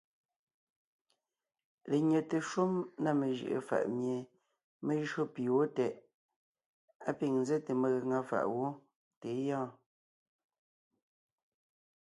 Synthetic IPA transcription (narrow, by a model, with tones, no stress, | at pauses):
le˨ɲe˨te˨ʃu˦mna˦˨me˨ʒɯ̰˨ʔḛ˨fa̰˨ʔmje˨ | me˦ʒɰo˦pi˨wo˦tɛ˨ʔ | a˦pi˦˨ŋn˦ze˦te˨me˦˨ɣə˨ŋa˦˨fa̰˨ʔwo˦ | te˨˦jɔ̃ː˦˨